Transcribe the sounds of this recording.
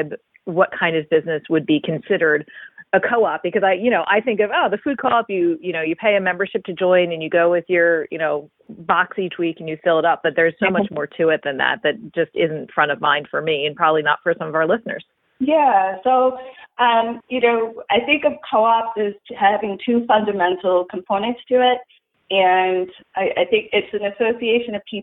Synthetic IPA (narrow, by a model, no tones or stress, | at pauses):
d̚ | wʌt̚kʰãɪ̃ndʌvbɪznɨswɨd̚bikʰɨ̃n̩sɪɾə˞ɾɨkʰoʊɑp̚b̥ɨkʌzaɪjɨñoʊʔa̰ɪθɪ̃ŋkʌvoʊðɨfʉd̚kʰoʊʌpjɨjɨñoʊjɨpʰeɪɨmɛ̃mbə˞ʃɨp̚tʰɨd͡ʒɔ̃ɪ̃nɨ̃njɨɡoʊwɪðjə˞jɨ̰ñoʊ | bɑksit͡ʃwikɨ̃n̩jɨfɪlˠəɾʌp̚b̥ʌt̪̚ðə˞z̥soʊmʌt͡ʃmɔɹtʰɨɪt̪̚ðɨ̃nðæ̰t̪̚ðɨt̚d̥ʒ̥ʌstɪz̃n̩tfɹʌ̃ɾ̃ʌvmã̰ɪ̃nd̥fə˞miɨ̃npʰɹ̥ɑbəblinə̰tfə˞sʌ̃mʌvaʊə˞lɪsnə̰˞z̥ | jæsoʊʔʌ̃mjɨnoʊaɪθɪ̃ŋkʌv̥kʰoʊɑp̚ɪz̥hævɪ̃ŋtʰʉfʌ̃ndɨmɛ̃ntʰˡl̩ˠkʰm̩pʰõʊ̃nɨ̃ntstʰɨɪt̚ | ɨ̃n | ʔaɪʔaɪθɪ̃ŋkɪtsɨ̃nɨsoʊsieɪʃɨ̃nʌv̥pʰi